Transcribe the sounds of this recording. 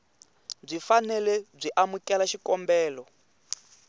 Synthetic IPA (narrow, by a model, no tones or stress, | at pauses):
b͡ʐʷifanɛlɛb͡ʐʷiʔamukʼɛlaʃikɔmbɛːlɔ